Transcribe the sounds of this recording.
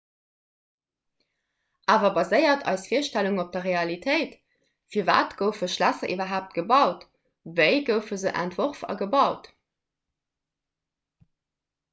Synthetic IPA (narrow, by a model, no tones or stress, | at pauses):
ʔaːvɐbɑzəɪɐtʰɑ̰ɪsfiːɐʃtæluŋop̚d̥ɐʁeɑlitʰəɪt | fiːɐva̰ːtɡ̥əʊfəʃlæsɐʔivɐɦaːp̚t̚ɡ̥əbɑʊt | vəɪɡəʊfəzəʔæ̰ntv̥oʁfɑ̰ɡəbɑʊt